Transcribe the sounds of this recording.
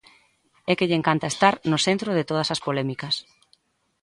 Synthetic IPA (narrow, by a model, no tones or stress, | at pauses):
ɛkeʎeŋkant̪aest̪aɾnʊsent̪ɾoð̞ɪt̪oð̞ɐsɐspolɛmikɐs